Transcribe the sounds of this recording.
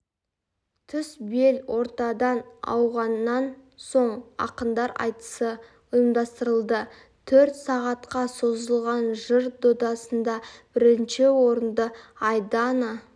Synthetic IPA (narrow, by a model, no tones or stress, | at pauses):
t̪ʰʏsbe̞lwʔo̞ɾt̪ɑd̪ɑnɑ̰wʁɑnːɑnsoɴɑ̰qənd̪ɑɾɑ̰jt̪ə̥sə | ʊjəmd̪ɑst̪əɾəlˠd̪ə | t̪ʰɵɾt̪sɑʁɑt̪qɑso̞zəlˠʁɑnʒəɾd̪od̪ɑsənd̪ɑb̥ɪɾɪnʃɪwo̞ɾənd̪əɑjd̪ɑnə